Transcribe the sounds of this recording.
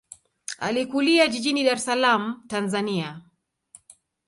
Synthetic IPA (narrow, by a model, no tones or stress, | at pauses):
a̰likuliaʄiʄiniɗaɾɛsalam̩tanzania